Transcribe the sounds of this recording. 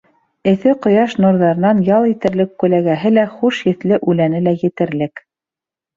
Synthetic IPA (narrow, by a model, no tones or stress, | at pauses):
ɘ̆θɘqŏjɑʃnuɾðɑɾɤ̆nɑnjɑlˠit̪ɘ̆ɾlɘkːʉlæɡæɦɘlæχuʃjɘ̆θlɘʔʉlænɘlæjɘ̆t̪ɘ̆ɾlɘk